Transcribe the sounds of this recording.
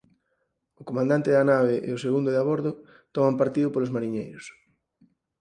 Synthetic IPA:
okomãnd̪ant̪ɪðanaβeʔḛoseɣund̪oðaβɔɾðʊ | t̪ɔmampaɾt̪iðʊpolozmaɾiɲejɾos

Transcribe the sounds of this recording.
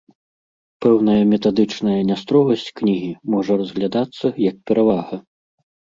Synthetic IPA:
pɛwnɐjɐmʲɛt̪ad̪ɨt͡ʂnɐjɐnʲast̪ɾɔɣɐsʲt͡sʲknʲiɣʲimɔʐɐrɐzɣlʲad̪at̪sːɐjɐk̚pʲɛɾʔavaɣɐ

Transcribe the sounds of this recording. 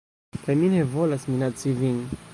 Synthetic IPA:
kajminevolasminat͡siviŋ

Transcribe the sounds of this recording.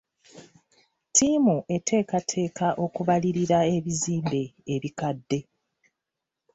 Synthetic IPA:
tʰimuʔe̞tʰe̞ːkatʰe̞ːkaʔo̞kuβaliɾiɾae̞βiziːmbe̞ːβikadːe̞

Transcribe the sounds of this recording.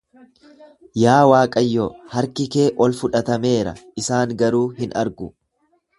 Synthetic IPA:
jaːwaːkʼɐjːoːhɐɾkɪke̞ːʔɔlfʊᶑɐt̪ɐme̞ːɾɐ̰ɪsaːŋɡɐɾuːɦɪnʔɐɾɡʊ

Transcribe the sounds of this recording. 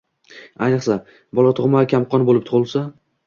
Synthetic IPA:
ajnɨχsa | bɒlˠat̪ʰʊʁmakʲʰamqʰɒnbolˠɪp̚t̪ʰʊʁɨlˠsa

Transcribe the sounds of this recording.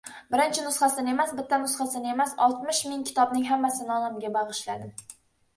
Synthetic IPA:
bɪɾɪnt͡ʃʰɪnʊsχasɪne̞masbɪt̪ʰːanʊsχasɪne̞masɒlˠt̪mɪʃmɪŋkʲʰɪ̥t̪ʰɒbnɪŋɦamːasɪnɒnamɡʲabɑʁɨʃlad̪ɪ

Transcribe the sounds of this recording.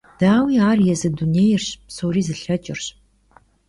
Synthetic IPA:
d̥aːwiːaːrjɛzɨduneːjɪrɕpsoːriːzɨɬɐt͡ʃʼɪrɕ

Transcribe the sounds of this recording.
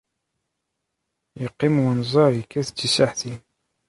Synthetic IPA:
jəqːimwənzˤɑɾikːæθt͡sːisaħθin

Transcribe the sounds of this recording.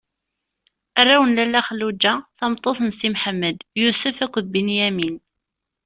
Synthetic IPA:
ærːæwənlælːæχəlːud͡ʒːæθɑmt̪ˤːoθnsimħəmːəd̪jusəfækʷːðbinjæmin

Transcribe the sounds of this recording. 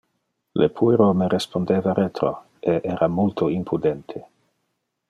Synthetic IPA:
lepʰujɾomeɾespond̪eːvaɾet̪ɾo̰ | eʔɛːɾamult̪ʰoimpʰud̪ent̪ʰe

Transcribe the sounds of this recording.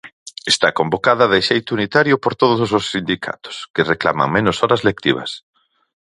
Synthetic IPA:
est̪akombokað̞ɐðeʃejt̪ʊunit̪aɾjʊpoɾt̪oð̞ʊsos̬osːind̪ikʰa̰t̪ʊ̥skɪrekla̰ma̰ŋmenʊsɔɾɐzlek̚t̪iβ̞ɐ̰s

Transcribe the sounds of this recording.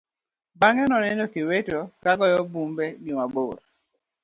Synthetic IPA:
baŋɛnɔnɛnokiwetokaɡɔjɔbumbɛɡimaboɾ

